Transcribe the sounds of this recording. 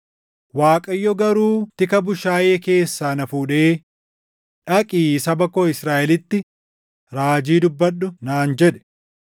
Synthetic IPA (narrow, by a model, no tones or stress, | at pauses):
waːkʼɐjːɔɡɐɾuːt̪ɪkɐbʊʃaːjeːke̞ːsːaːnɐfuːᶑe̞ː | ᶑɐkʼiːsɐbɐkːoːɪsɾaːʔɛlɪt̪ːɪ | ɾaːd͡ʒiːd̪ʊbːɐɗːʊnaːnd͡ʒɛᶑɛ̥